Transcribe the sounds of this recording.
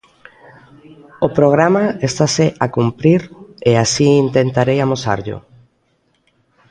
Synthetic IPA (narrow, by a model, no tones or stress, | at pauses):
opɾoɣ̞ɾamaest̪aseʔakumpɾiɾeasiint̪ent̪aɾejamosa̰ɾʎʊ̰